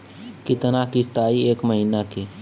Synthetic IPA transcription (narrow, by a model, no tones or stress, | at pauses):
kɪt̪ənakist̪aːieːkməɦinakeː